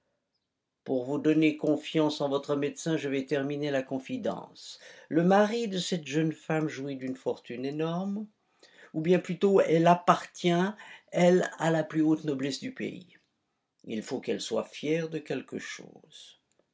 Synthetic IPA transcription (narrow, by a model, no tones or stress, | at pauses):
puʁvud̪ɔnekɔ̃fjɑ̃sɑ̃vɔt̪χəmed̪sɛ̃ʒəvɛt̪ɛʁminelakɔ̃fid̪ɑ̰̃sləmaʁid̪əsɛt̪ʒənfamʒuid̪ynfɔʁt̪ynenɔʁm | ubjɛ̃plyt̪oɛlapaʁt̪jɛ̃ɛlalaplyot̪nɔblɛsd̪ypḛḭ | ilfokɛlswa̰fjɛʁd̪əkʲɛlkə̰ʃo̰ːz̥